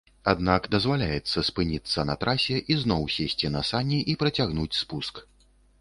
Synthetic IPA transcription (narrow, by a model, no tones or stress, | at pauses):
ad̪nakd̪ɐzvalʲajɛt̪sːɐspɨnʲit̪sːɐnɐt̪ɾʔasʲɛʔiznɔwsʲesʲt͡sʲinɐsanʲiʔipɾɐt͡sʲaɣnut͡sʲspusk